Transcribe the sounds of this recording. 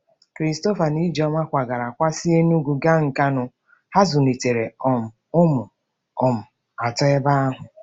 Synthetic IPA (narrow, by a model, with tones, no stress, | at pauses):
kɾi˨˦sto˦fa˨ni˦d͡ʒɔ˦ŋʷa˦kʷa˨ɡa˨ɾa˨kʷa˦si˦e˦nu˦ɡʷu˨ɡa˦ŋ̩˨ka˦nʊ˨ | ha˦zʊ˨ne˨te˨ɾe˨ɔ˨m̩˨ʊ˦mʊ˨ | ɔ˨m̩˨ | a˨tɔ˦ɛ˦ba˦a˦ɦʊ˨